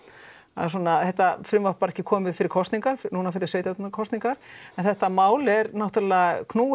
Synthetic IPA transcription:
aðsɔːnaːðθɛht̪afɾʏmvapaɾɛhcːɪkʰɔːmɪðfɪɾɪɾkʰɔst̪niŋkaɾ̥fnuːnafɪɾɪɾ̥seːjt̪jat̪nkʰɔst̪niŋkaɾ̥ɛnθɛht̪amaːwlɛɾnawht̪aɾlɛɣakʰnuː

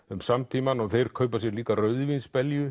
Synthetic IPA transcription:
ʏmsamt̪ʰiːmanɔɣθejɾ̥kʰœɥpasjɛɾliːkarœːɥðvinspɛljʏ

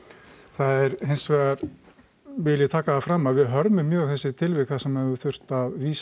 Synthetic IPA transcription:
θaðɛɾɦejnsvɛːɣaɾ | vɪlɪt̪ʰaːkaːfɾaːmːavɪðɦœɾmʏmːjœːθɛsːɪt̪ʰɪlvɪkθasɛmɛvʏθʏr̥t̪aðviːs

